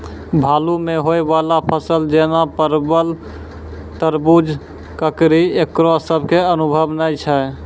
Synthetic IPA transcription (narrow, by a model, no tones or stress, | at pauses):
bʱalumeɦoebalapʰəsəld͡ʒenapəɾbəl | t̪əɾbud͡ʒ | kəkɾiekɾosəbʱkeənubʱəbnəjt͡ʃʰɛ